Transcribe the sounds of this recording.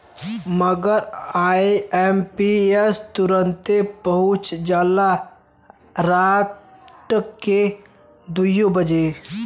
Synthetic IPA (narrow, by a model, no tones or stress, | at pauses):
məɡəɾaːeempiest̪ʊɾənt̪epəɦʊt͡ʃd͡ʒaːla | ɾaːt̪ | ke | d̪ujõbəd͡ʒe